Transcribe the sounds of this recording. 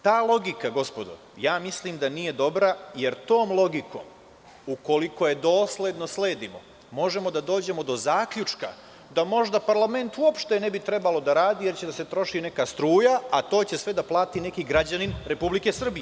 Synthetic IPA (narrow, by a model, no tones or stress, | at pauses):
t̪aːlˠo̞ɡikaɡo̞spo̞d̪o̰ | jaːmisliːmd̪anije̞d̪o̞bɾaje̞ɾt̪o̞ːmlˠo̞ɡiko̞̰ːm | uko̞liko̞je̞d̪o̞ːsle̞d̪no̞sle̞ːd̪imo̞̰ | mo̞ʒe̞mo̞d̪ad̪o̞ːd͡ʑe̞mo̞d̪o̞zaːkʎʲut͡ʃka̰ | d̪amo̞ʒd̪apaɾlˠame̞nt̪uopʃt̪e̞ne̞bit̪ɾe̞balo̞d̪aɾaːd̪ijeɾt͡ɕed̪ase̞t̪ɾo̞ʃine̞kaːst̪ɾuːjaat̪o̞ːt͡ɕe̞sʋed̪aplˠaːt̪ine̞kiɡɾad͡ʑaninɾe̞publikesr̩bije